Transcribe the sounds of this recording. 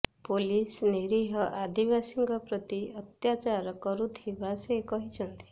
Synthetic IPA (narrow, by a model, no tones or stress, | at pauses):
polisniɾiɦɔʔad̪ibasiŋkɔpɾɔt̪iɔt̪jat͡ʃaɾɔkɔɾut̪ʰibasekɔɦit͡ʃʰɔnt̪i̥